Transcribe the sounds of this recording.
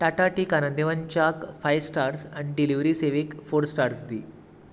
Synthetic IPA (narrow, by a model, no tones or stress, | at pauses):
ʈaʈaʈikanənd̪eʋaɲt͡ɕakfajsʈaɾsaɳɖiliʋɾiseʋekfoɾsʈaɾsd̪ḭː